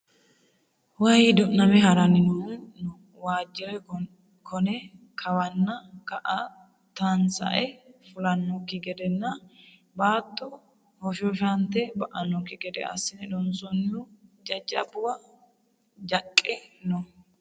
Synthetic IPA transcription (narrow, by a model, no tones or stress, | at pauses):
wɐjd̪ɔnɐmɛɦɐɾɐnɪnɔn | waːd͡ʒːɪɾɛ | kʰɔnɛ | kʰɐwɐnːɐkɐʔ | t̪ɐnsɐ̰ʔɛfʊlɐnːɔkːɪɡɛd̪ɛnːɐ | baːt̪ʼːɔ | hɔʃɔʃɐnt̪ɛbɐʔɐnːɔkːɪɡɛd̪ɛ̰ɐ̰sːɪnɛd̪ɔnsɔnːɪʊd͡ʒɐd͡ʒɐbʊwɐ | d͡ʒɐkʼːɛnɔ